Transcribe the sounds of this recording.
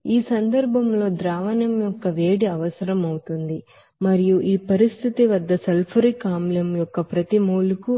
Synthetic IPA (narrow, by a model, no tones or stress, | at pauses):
iːsɐnd̪ɐɾbʱɐmlo̞ːd̪ɾaːʋɐnɐmjɔkːɐʋeːɽiɐʋɐsɐɾɐmɐwut̪und̪i | mɐɾijuʔiːpɐɾist̪ʰit̪iʋɐd̪ːɐsɐlpʰɐɾikaːmlɐmjɔkːɐpɾɐt̪imuːluku